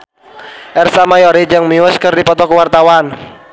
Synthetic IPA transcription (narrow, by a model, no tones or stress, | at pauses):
ʔɛrsamajɔɾid͡ʒəŋməuəskərdipɔt̪ɔkəwart̪awan